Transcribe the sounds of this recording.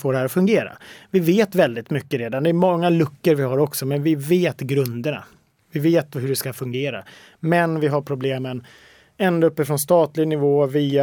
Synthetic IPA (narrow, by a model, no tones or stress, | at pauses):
foːɖɛhɦæːɾɔfɵŋɡeːɾa̰vɪveːt̪vɛld̪ɪt̪mʏkːəɾeːd̪and̪ɛːɾmɔŋːalɵkːəɾvɪɦaɾɔksɔmɛnvɪveːt̪ɡɾɵnd̪əɳa̰ | vɪveːt̪hɵɖɛskafɵŋɡeːɾa̰ | mɛnvɪɦaɾpʰɾʊbleːmən | ɛnd̪oɵpːəfɾɔnst̪ɑːt̪lɪɡnɪvoːviːa